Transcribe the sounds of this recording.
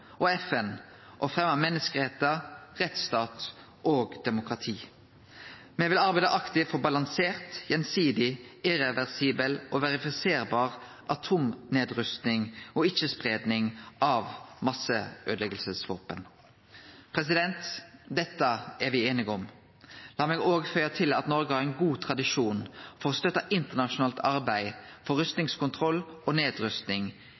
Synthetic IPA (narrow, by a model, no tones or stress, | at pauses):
ʔɔɛfɛn | ʔɔfʁɛmːɑmɛnːəskəʁɛt̪ːɑʁɛt̪st̪ɑːt̪ | ʔoːɡd̪̥ɛmʊkʁɑt̪ʰiː | mɛʋɪlɑʁbæɪd̪əʔɑkt̪ɪfɔbɑlɑŋseːʁt̪jɛnsiːd̪ɪɪʁɛʋɛʁsiːbəlɔʋɛʁɪfɪseːʁbɑːʁ | ʔɑt̪ʰuːmneːd̪ʁʉst̪nɪŋɔɪçəspʁeːd̪nɪŋʔɑʋmɑsəʔøːd̪əlɛɡəlsəsʋoːpən | pʰʁɛsɪd̪ɛnt̪d̪ɛt̪ːəæʁʋɪeːnɪɡɔm | lɑːmeːɡoːɡfœʏɑt̪ʰɪlɑ̰t̪nɔɾɡəhɑɾʁɛnɡuːt̪ʰʁɑd̪ɪʂuːnfɔʁɔst̪œt̪ːɑʔɪnt̪əʁnɑʃʊnɑːlt̪ɑʁbæɪfɔʁʉst̪nɪŋskʊnt̪ʰʁɔlːɔneːd̪ʁʉst̪nɪŋ